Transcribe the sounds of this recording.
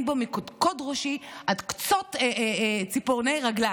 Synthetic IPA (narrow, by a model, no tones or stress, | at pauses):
nbamikodkodʁoʃiʔadkt͡sot̪ː | t͡sipoʁnejʁaɡla